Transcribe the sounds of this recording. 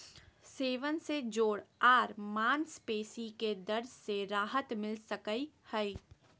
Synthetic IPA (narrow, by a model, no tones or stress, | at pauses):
seːʋənsed͡ʒoːɽaːɾmaːnspeːsiked̪ɐɾd͡ʒseɾaːɦət̪mɪlsɐkəihɐi